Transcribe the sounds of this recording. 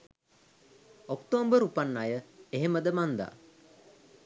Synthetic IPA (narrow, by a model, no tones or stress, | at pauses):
okt̪oːmbəɾupanːajəeɦeməd̪əmand̪a̰ː